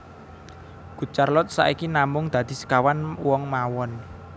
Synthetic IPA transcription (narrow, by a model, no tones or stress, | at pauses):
ɡ̥ṳt͡ʃarlɔt̪̚sa̰ʔikinamʊŋd̪̥ä̤d̪̥i̤sə̥kawanwɔŋmawɔn